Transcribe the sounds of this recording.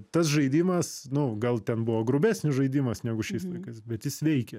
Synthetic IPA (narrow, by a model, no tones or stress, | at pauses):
t̪ɐsʒɐɪd̪ʲiːmɐsnʊɡɐlˠt̪ʲɛnbʊʋoːɡɾʊbʲæːsʲnʲɪsʒɐɪd̪ʲiːmɐsnʲæːɡʊʃʲɛɪslˠɐɪkɐɪsbʲɛt̪jɪsʋʲɛɪkʲɛ